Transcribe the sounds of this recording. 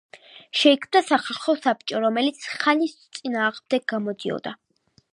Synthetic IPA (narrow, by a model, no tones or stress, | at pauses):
ʃɛikʰmd̪asaχalˠχɔsap̚t͡ʃʼɔɾɔmɛlit̪sʰχanist̪sʼinaːʁmd̪ɛɡ̚ɡamɔd̪iɔ̰d̪a